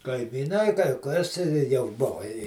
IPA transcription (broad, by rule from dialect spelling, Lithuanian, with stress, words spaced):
kɐɪmʲiːˈnɐɪ kɐɪ kɐs ɪ jɛʊ ˈboːʋɐ ɪ